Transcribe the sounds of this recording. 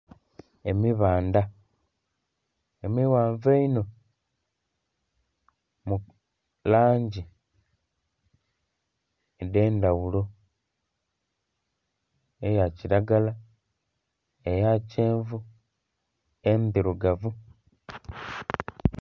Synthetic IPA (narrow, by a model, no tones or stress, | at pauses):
emiβaːnda | emiwaːɱveino̞ | mu | laːɲɟi | edeːndawulo̞ | ejaciɾaɡala | ejaceːɱvu | emdiɾuɡavu